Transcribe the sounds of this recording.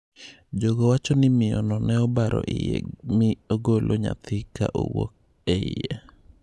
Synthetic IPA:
d͡ʒoɡowat͡ʃɔnɪmɪjɔnɔnɛɔbaɾʔɔʔɪjɛmɪoɡolʔoɲa̰t̪ʰɪka̰ʔo̰wok̚ | ɛɪ̰jɛ

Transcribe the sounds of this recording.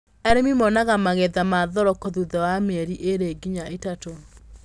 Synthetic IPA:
ɛɾemimɔnaɣamaɣeðamaðɔɾɔkoðuðɛwameɾiʔeɾeːɡiɲaʔetato

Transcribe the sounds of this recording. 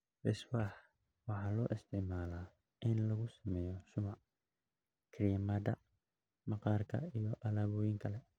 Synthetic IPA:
rɪswaːħ | wɑħɑːlɔːʔɪst̪ʰɪʕmaːlaː | ʔɪnlɐɣʊsɐmɛːjɔʃʊmɑʕ | kʰɪɾijɐmad̪ɐ̰ | mɑqɑːrkʰɐ̰ijɔʔɐlaːβɔːjɪŋkʰɐlɛ

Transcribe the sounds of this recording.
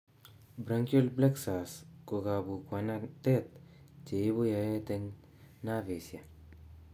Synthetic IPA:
bɾɐŋkjolbleksaskoɡabukwanat̪et̪̚ | t͡ʃebojaet̪eŋ | navesija

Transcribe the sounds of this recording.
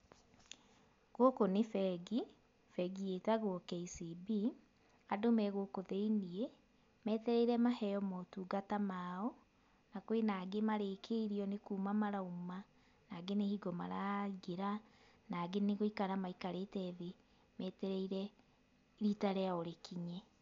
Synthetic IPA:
ɣokonefɛɡi | fɛɡietaɣokɛisibi | adomɛɣokoðeinie | mɛːtɛɾɛiɾɛmahɛjɔmɔtuːɡatamaɔ | nakwenaɡemaɾeːkʰeiɾiɔnekuːmamaɾauma | naɡenehiɡɔmaɾaɡeɾa | naɡeneɣoikaɾamaikaɾetɛðe | mɛːtɛɾɛiɾɛ | ɾitaɾɛaoɾekʰiɲɛ

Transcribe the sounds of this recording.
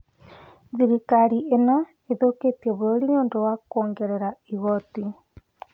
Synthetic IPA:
ðiɾikaɾiʔena | eðoketieβoɾoɾiɲoːndowakoːŋɡeɾeɾaiɣɔti

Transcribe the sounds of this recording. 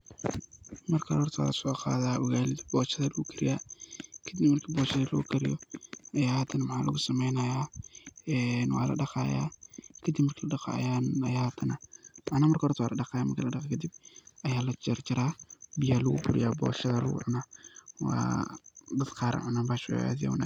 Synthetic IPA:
mɐrkʰɐhɔrt̪ʰwa̰lɐsɔːqa̰ːðaːʔʊɣaːlɪbɔːʃɐðɐlɣukʰɪɾɪjaːkʰɐd̪ibmɐrkʰiːbɔːʃɐðɐlɐɣʊ̰kʰɐɾɪ̰jɔɐjaːhɐt̪ʰɐnɐmɑħaːlɐ̰ɣʊsɐmɛjnɐjaːɛːnwɑ̰ːlɐ̰ɖɑqaːja̰ːkʰɐd̪ibmɐrkʰilɐɗɑxa̰janɐjahat̪ʰɐnɐmaʕnaːmɐrkʰhɔrt̪ʰɐwa̰ːlɐɖɑqaːjamɐrkʰilɐɖɑqɛkʰɐd̪ib̚ɐjaːlɐt͡ʃɐɾt͡ʃɐɾaːbɪjaːlɐɣʊ̰bʊɾɪ̰jaːbɔ̰ːʃɐðɐlṵwʊ̰ʕʊnɐwa̰ː | d̪ɐd̪qɑːɾɐ̰ʕanaːbaːʃw̰a̰ːd̪ja̰wna̰

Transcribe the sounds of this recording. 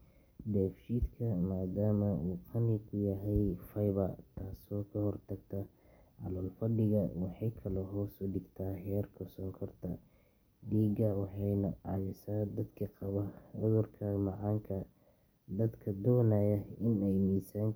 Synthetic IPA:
d̪ɛːft͡ʃiːd̪kʰɐmaːd̪aːmɐuːqʰɑnɪkʰʊjɐɦɛjfɐjβɐt̪ʰaːsɔːkʰɐhɔrt̪ʰɐɡt̪ʰɐ | ʕɑ̰lɔːlfɐɖɪɣɐwɑħɑjkʰɐlɔɦɔːsʊɖɪɡt̪ʰaːhɛːrkʰɔsɔŋkʰɐrt̪ʰɐ | ɖiːɡɐwɑħɑjnɐʕɑ̰mɪsaːd̪ɐd̪kʰɐqɑβɐʕʊðʊrkʰɐmɑʕɑːŋkʰɐ | d̪ɐd̪kʰɐd̪ɔːnɐjɐɪnɛjmiːsaːŋ

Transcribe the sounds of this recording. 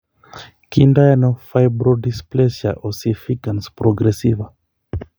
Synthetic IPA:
kindajanofajbɾodisplesja̰ʔosifikanspɾoɡɾesiva

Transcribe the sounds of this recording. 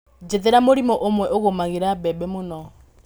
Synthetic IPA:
d͡ʒɛd̪ɛɾamolimɔʔʊmwɛʔʊɣɔmaɣiɾabɛbɛmunɔ

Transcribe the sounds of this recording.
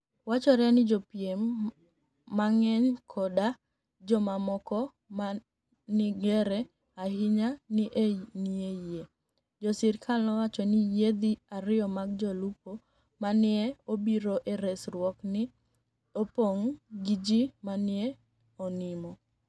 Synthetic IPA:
wat͡ʃɔɾɛnɪd͡ʒɔpjemː | aŋɛɲkʰɔda | d͡ʒɔmamɔkɔ | ma | nɪɡɛɾɛ | ahɪɲanɪʔenieje | d͡ʒɔsɪɾkʰalnɔwat͡ʃɔnɪjed̪iaɾɪɔmaɡ̚d͡ʒɔlupo | manɪɛobiɾoʔeɾɛsrwɔknɪ | opoŋɡid͡ʒimanɪɛ | ɔnɪmɔ

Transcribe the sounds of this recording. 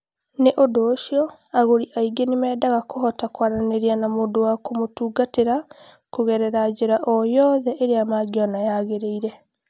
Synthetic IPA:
neʔodoːʃiɔ | aɣoɾiʔaiɡenimɛːdaɣakoɦɔtakwaɾaneɾianamoːndowakomotuːɡateɾa | koɣɛɾɛɾad͡ʑeɾaʔɔjɔðɛʔeɾeamaːɡiɔnajaɣeɾeiɾɛ

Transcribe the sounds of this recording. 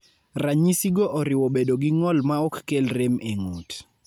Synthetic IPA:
raɲisiɡoʔɔɾɪwɔbedoɡɪŋɔlmaɔkːelɾemeŋut

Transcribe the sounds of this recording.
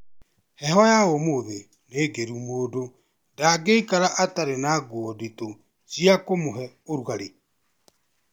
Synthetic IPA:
hɛɦɔjaomoðe | neːɡeɾumoːdo | daɡeikaɾaʔataɾenaɡoɔdeto | siakomoɦɛ | oɾuaɾe

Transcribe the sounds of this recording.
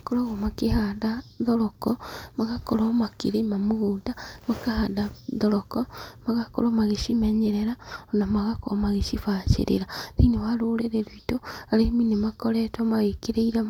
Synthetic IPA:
akoɾɔɣomakehaðaðɔɾɔkɔmaɣakoɾɔmakiɾemamuɣudamakahadaðɔɾɔkɔmaɣako̰ɾomaɣeʃimɛɲeɾeɾaonamaɣakoomaɣeʃifat͡ʃḛɾḛɾaninewaɾoːleɾeɾoitoaɾeminemakɔɾetɔmaɣekeɾeiɾa

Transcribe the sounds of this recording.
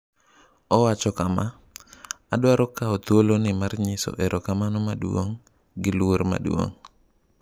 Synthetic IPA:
ɔwat͡ʃɔkama | adwaɾɔkaɔt̪wolonɪmarɲɪsɔ̰ʔeɾʔokamanɔmadwo̰ŋ | ɡɪlwoɾma̰dwo̰ŋ

